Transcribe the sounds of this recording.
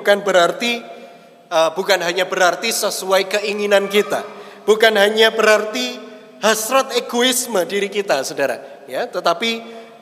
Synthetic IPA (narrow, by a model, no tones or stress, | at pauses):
ukanbəɾart̪i | əbukanɦaɲabəɾart̪isəsuajkəʔiŋinankit̪a̰ | b̥ukanɦaɲabəɾart̪i | hasɾat̪eɡoɪsmədiɾikit̪asədaɾa̰ | jat̪ət̪api